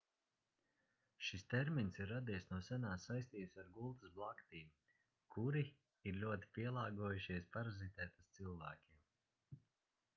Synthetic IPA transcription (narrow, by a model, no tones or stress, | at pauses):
ʃist̪ɛɾminsiɾːad̪ijsnuɔsænaːsajst̪iːsaɾɡulˠt̪ɨsblˠakt̪iːm | kʰuɾi | iɾlʲuɔt̪i̥piɛlˠɑːɡuɔjuʃiɛspaɾazit̪ɛːt̪ast̪silˠvæːkʲim